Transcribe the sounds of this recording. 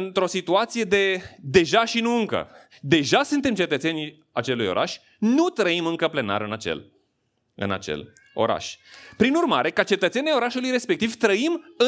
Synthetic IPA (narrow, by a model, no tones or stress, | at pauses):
ɨnt̪ɾo̞sit̪uat̪sije̞d̪e̞d̪e̞ʒaʃinuɨŋkə̰ | d̪e̞ʒasɨnt̪e̞mt͡ʃe̞t̪ət̪se̞nʲ | at͡ʃe̞lujo̞̰ɾʔa̰ʃʲ | nut̪ɾəimɨŋkəple̞na̰ɾɨnat͡ʃḛl | ɨ̰na̰t͡ʃḛl | o̞̰ɾa̰ʃʲpɾinurmaɾe̞kat͡ʃe̞t̪ət̪senʲajo̞ɾaʃulujɾe̞spekt̪ivt̪ɾəimɨ